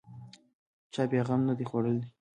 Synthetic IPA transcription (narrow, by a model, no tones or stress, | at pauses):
t͡ʃɑbjɑɣamnad̪ixwoɽəli